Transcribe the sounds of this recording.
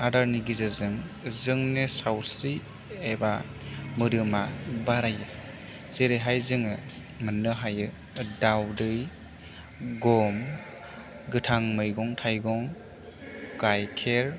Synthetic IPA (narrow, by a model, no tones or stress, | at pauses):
adaɾniɡizɯzɯŋ | zɯŋnesawɾsi | ebamɯɾɯmabaɾajɯ | z̥eɾeɦajzɯŋɯ | mɯnɯɦajɯ | dawdɯj | ɡɔm | ɡɯtʰaŋmɯjɡɔŋtʰajɡɔŋ | ɡ̥ajkʰeɾ